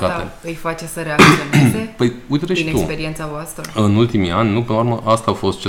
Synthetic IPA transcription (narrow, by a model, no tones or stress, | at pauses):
kaeɨjfat͡ʃesəɾeaksionezepəjujt̪eɾeʃet̪ukpeɾient̪savoast̪ɾəɨnult̪imianʲnupenuɾməʔast̪aːfo̞st̪̚t͡ʃe